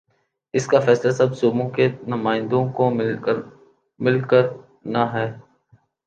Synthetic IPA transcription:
ɪskafɛːslasɐbsoːmõkenʊmaːɪ̃nd̪õkomɪ | mɪlkəɾ | naɦɛː

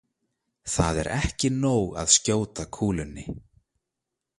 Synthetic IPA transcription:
θaðɛ̰ɾʔɛhcɪnoːwɣa̰ðscoːwt̪akʰuːlʏnːɪ

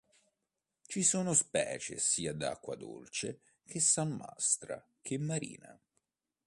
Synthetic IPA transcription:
t͡ʃisoːnospɛ̰ːt͡ʃḛsiːad̪a̰kːwad̪o̰lt͡ʃe | k̟esːamːa̰st̪ɾa̰ | k̟emːaɾḭːna̰

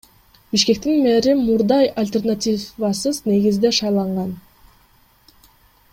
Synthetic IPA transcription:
b̥iʃke̞k̚t̪inmeɾimuɾd̪ɑjalʲt̪ʲe̞rnat̪ʲivɑsɯzne̞ɡizd̪e̞ʃɑjlˠɑɴʁɑn

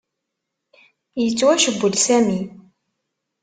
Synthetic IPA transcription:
jət͡sːwæʃəbːəlsæmi

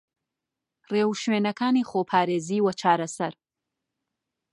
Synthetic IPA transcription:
reːwʃweːnɐkʰaːniːχoːpʰaːɾeːziːwɐt͡ʃʰaːɾɐsɐɾ

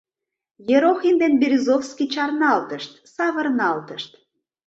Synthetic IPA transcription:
jeɾoxind̪enbiɾʲizofskit͡ɕɑrnɑlt̪əʃt̪sɑβərnɑlt̪əʃt̪

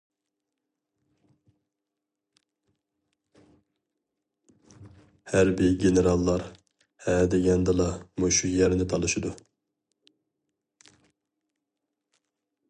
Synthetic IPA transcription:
hæɾbɪɡʲeneɾɑlˠːɑɾ | hɛd̪eɡʲɛnd̪ɨlˠɑmuʃujɛɾnɪt̪ʰɑlˠɨʃid̪u

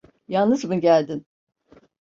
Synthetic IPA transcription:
jalˠnɯzbunɟælʲd̪in

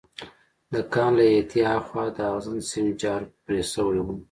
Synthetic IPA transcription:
d̪əkɑnlajat̪ʰiaxwɑd̪əaɣzansimit͡ʃɑɾpɾesəwɽiwu

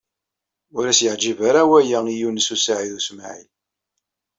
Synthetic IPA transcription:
ʊɾæsjəʕd͡ʒivaɾawæjaijunəsusaʕiðusmʕḭl

